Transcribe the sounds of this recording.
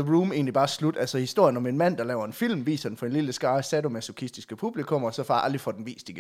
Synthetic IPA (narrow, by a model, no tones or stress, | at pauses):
əʁuːme̝̰ːnlib̥ɑ̈ːslud̥ælsɒhisd̥o̝ɐ̰jənɒ̽me̝nmæn̰d̥ɑ̈lɛ̰ʊ̰ɐe̝nfil̰mʋḭːsɐd̥en̩fɒ̽e̝nliləsɡ̥ɑ̈ːəsædo̝mæsukʰisd̥isɡ̥əpʰub̥likʰɔ̽mɒ̽sɒ̽fɑ̈ʔæld̥ʁifɒ̽d̥enʋḭːsd̥iɡ̥ə